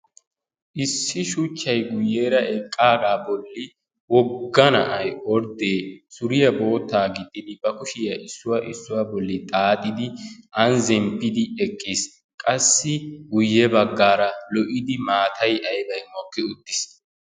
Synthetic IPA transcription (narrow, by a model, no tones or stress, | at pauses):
ʔɪsːɪʃʊt͡ʃːɐjɡʊjːeːɾɐʔɛkʼːaːɡaːbɔlːɪ | wɔɡːɐnɐ̰ʔɐjɔɾd̪eːsʊɾɪjɐbo̞ːt̪ːaːɡɪt̪ʼːɪd̪ɪbɐkʊʃɪjɐʔɪsːʊwɐʔɪsːʊwabɔlːɪt̪ʼaːt̪ʼːɪd̪ɪʔɐnzɛmpːɪd̪ɪɛkʼːiːs | kʼɐsːɪɡʊjːɛbɐɡːaːɾɐlɔʔɪd̪ɪmaːt̪ʰɐjʔɐjbɐjmɔkːɪʊd̪ːɪs